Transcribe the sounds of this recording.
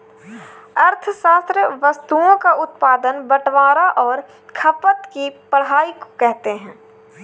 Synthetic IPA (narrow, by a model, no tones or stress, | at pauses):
ɐɾt̪ʰəʃaːst̪ɾəʋəst̪uõkaʊt̪paːd̪ənbəʈʋaːɾaʔɔːɾ | kʰɐpət̪kipəɽɦaːikokɛɦt̪eɦɛ̃ː